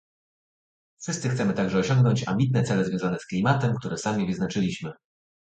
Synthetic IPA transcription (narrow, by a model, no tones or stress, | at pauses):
fʂɘst̪sɘxt̪sɛmɘt̪aɡʐɛɔɕɔŋɡnɔɲt͡ɕa̰mʲbʲit̪̬̚nɛt̪sɛlɛzvʲɔ̃w̃zanɛsklʲimat̪ɛmkt̪uɾɛsamʲivɘznat͡ʂɘlʲiɕmɘ